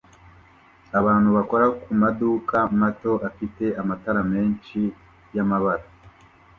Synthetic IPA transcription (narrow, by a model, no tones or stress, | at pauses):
aβaːn̥huβako̞ɾakumaduːkamato̞ʔafite̞ʔamataɾame̞ːnʃi | jamaβaɾa